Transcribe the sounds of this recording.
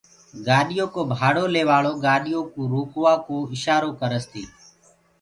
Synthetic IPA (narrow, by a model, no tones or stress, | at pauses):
ɡaːɗɪjoːkoːbʱaːɽoːleːʋaːɭoːɡaːɗɪjõːkũːɾuːkʋaːkoːɪʃaːɾoːkəɾəst̪ʰiː